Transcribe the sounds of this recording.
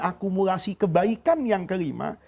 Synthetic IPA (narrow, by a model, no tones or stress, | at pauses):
akumulasikəbaikanjaŋkəɾima̰